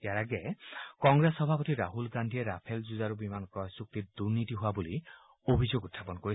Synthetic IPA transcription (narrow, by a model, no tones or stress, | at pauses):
ejaɹaɡɛkɔŋɡɹesɔbʱapɔt̪iɾaɦulɡandʱieɾapʰelzuzaɾubimankɔjsuk̚t̪id̪uɹnit̪iɦoabuli | obʱizoɡut̪ʰːapɔnkoɹi